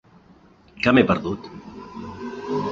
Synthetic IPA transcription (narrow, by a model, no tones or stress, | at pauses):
kamepəɾðut̪